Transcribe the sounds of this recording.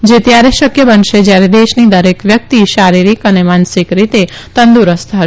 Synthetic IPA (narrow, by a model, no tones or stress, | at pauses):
d͡ʒet̪jaɾeʃəkjəbənʃed͡ʒjaɾed̪eʃnid̪əɾekʋjək̚t̪iʃaɾiɾikənemansɪkɾit̪e | t̪ənd̪uɾəst̪ʰaɦ